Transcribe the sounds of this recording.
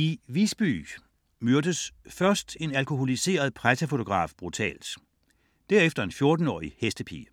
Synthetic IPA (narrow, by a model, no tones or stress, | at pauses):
iʋisb̥y̰ː | møɐd̥əsfɶɐsd̥e̝nælkʰo̝ho̝lise̝̰ːɐð̞ˠpʰʁasʰæfo̝t͡sʰo̝ɡ̥ʁɑ̰̈ːfb̥ʁut͡sʰɛ̰ːld̥ | d̥æɐefd̥ɐe̝nfjo̝ɐd̥n̩ɒ̰ːihesd̥əpʰḭː